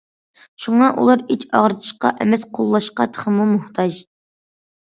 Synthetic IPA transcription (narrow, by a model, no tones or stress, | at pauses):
ʃuŋɑʔṵlˠɑɾit͡ʃʰɑʁɾɨt̪ʰɨ̥ʃqɑ̰ʔɛmɛsqʰolˠːɑʃqɑt̪ʰə̥χəmumʊht̪ʰɑd͡ʒ